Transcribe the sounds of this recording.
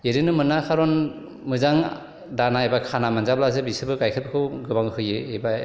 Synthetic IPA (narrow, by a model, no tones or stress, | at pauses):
eɾɯnɯmɯnakʰaɾɔn | mɯzaŋ | danaejbakʰanamanzablazɯbisɯbɯkajkʰɯt̚bakʰɯwɡɯbaŋhɯjeejba